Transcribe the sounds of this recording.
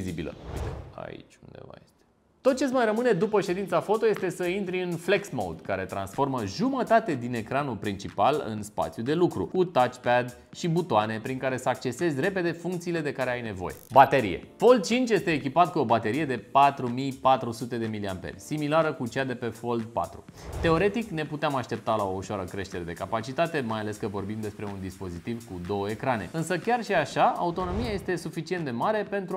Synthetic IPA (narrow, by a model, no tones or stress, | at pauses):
izibilə̰it̪ea̰ḭt͡ʃʲṵnd̪ḛva̰jḛt̪e | t̪ot̪̚t͡ʃesmajrəmɨne̞d̪upəʃe̞d̪int̪safo̞t̪o̞je̞st̪e̞səint̪ɾiɨnfle̞ksmo̰wd̪kaɾet̪ɾa̰nsfo̞rməʒumət̪at̪ed̪ine̞kɾanulpɾint͡ʃipalɨ̰nspa̰t̪sijud̪e̞lukɾṵkut̪at͡ʃpad̪ | ʃibut̪oane̞pɾiŋkaɾe̞səak̚t͡ʃe̞se̞zʲre̞pe̞d̪e̞fuŋkt̪sile̞d̪e̞kaɾeajne̞vo̞̰je̞̰bat̪e̞ɾḭje̞̰fo̞ld̪̚t͡ʃint͡ʃʲje̞st̪eːkʲipat̪̚kuo̞bat̪e̞ɾije̞d̪e̞pat̪ɾumijpat̪ɾusut̪e̞d̪e̞miliampḛrʲsimilaɾəkut͡ʃad̪e̞pe̞fo̞ld̪̚pa̰t̪ɾṵ | t̪e̞o̞ɾe̞t̪ikne̞put̪eamaʃt̪e̞p̚t̪alao̞uʃoaɾəkɾe̞ʃt̪e̞ɾe̞d̪e̞kapat͡ʃit̪at̪e̞majale̞skəvo̞rbimd̪e̞spɾe̞und̪ispo̞zit̪ivkud̪o̞wəekɾane̞̰ɨnsəkʲarʃiaʃaa̰ut̪o̞no̞miaje̞st̪e̞sufit͡ʃient̪d̪e̞maɾe̞pe̞nt̪ɾu